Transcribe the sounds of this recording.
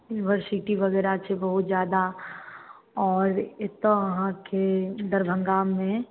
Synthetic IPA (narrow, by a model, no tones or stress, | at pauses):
jʊnɪʋəɾsɪʈiʋɐɣɛːɾat͡ʃʰebɐɦʊt̪zjaːd̪a | ɔːɾet̪ːoʋɐɦãked̪ɐɾbʱə̃ŋɡaːmːẽ